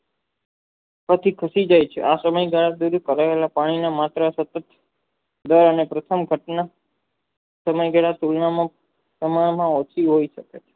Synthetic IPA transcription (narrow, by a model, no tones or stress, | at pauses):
pət̪ʰikʰəsid͡ʒajt͡ʃʰḛʔasəməjɡaɭad̪uɾkəɾaelapaɽ̃inamat̪ɾəsət̪ət̪ | d̪əɾənepɾət̪ʰəmɡʱəʈna | səməjɡaɭat̪ulnamã | pɾəmaɳmãot͡ʃʰiɦoiʃəket͡ʃʰe̥